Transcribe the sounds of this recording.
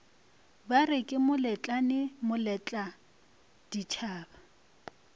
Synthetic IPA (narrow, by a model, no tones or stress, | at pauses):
barɪkʼɪmʊlɛt͡ɬʼanɪmʊlɛt͡ɬʼa | d̥it͡ʃʰaːba